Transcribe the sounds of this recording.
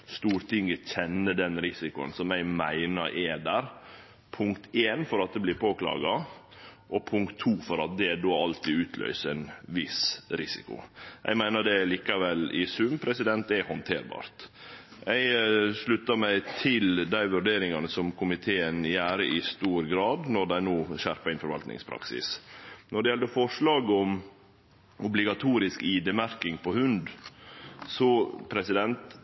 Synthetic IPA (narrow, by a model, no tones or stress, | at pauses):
st̪uːɾt̪ʰɪŋːəçɛnːəd̪ɛnɾɪsɪkʊə̰nsɔmæɪmæɪnəɾʔɛd̪æːɾ | pʰʊŋkt̪ʰeːnfɔɾɑt̪̚d̪ɛblɪɾpʰoːklɑ̰ːɡɑ | ʔɔpʰʊŋkt̪ʰːuːfɔɾɑt̪̚d̪ɛd̪oːɑlt̪ɪːʉːt̪ʰlœ̰ʏsəɛnʋɪsɾɪsɪ̰kʊ̰ʔɛ̰ɪmæɪnəɖɛliːkɑʋɛlɪsʉmpʰɾɛsɪd̪ɛnt̪ɛhɔnt̪ʰeːɾbɑ̰ːɾt̪ | ʔæɪʂɭʉt̪ːɑmæɪt̪ʰɪld̪æɪʋʉɾɖeːɾɪŋɑnəsɔmkʰʊmɪt̪ʰeːənjæːɾəʔɪst̪uːɾɡɾɑːd̪nɔɖ̪æɪnoːʃæɾpɑɾɪnfɔɾʋɑlt̪nɪ̰ŋspʰɾɑ̰ksɪ̰snɔɖɛjɛlːəɾfɔʂlɑːɡəɔm | ʔʊblɪɡɑt̪ʰuːɾɪskiːd̪emæɾkɪŋpʰɔhʉnd̪ | sɔpʰɾɛsɪd̪ɛnt̪